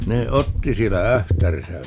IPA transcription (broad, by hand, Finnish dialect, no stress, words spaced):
ne otːi sielːæ æhtærisæ